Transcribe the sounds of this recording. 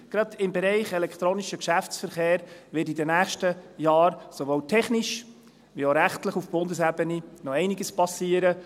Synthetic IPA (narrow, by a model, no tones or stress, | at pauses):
ɡ̥ɾɑd̪ɪmbɛɾɛɪχɛlɛkʰt̪ɾoːniʃəkʃæft͡sfəɾχeːɾʋɪtidənæːχʃtəjɑːɾsoʋoːwtʰɛχniʃ | ʋioɾæχtləχufb̥ʊndəsæbəninɔɛɪnɪɡəspɑsiːəɾə